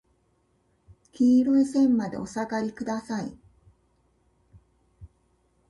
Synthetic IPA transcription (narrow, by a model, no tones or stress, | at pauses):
kʲiːɾɯ̟̃sẽ̞mːad̪e̞̰o̞saɡaɾʲikɯ̟d̪asaḭ